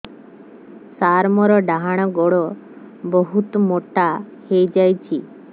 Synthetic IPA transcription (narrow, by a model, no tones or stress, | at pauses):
saɾmɔɾɔɖaɦaɽ̃ɔɡɔɽɔ | bɔɦut̪ɔmoʈa | hejd͡ʒajt͡ʃʰi